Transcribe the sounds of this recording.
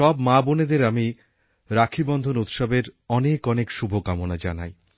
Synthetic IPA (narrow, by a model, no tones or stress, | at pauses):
ʃɔbmaboned̪eɾami | ɾakʰibɔnd̪ʱonut̪ʃɔbeɾɔnekɔnekʃubʱokamonad͡ʑanaj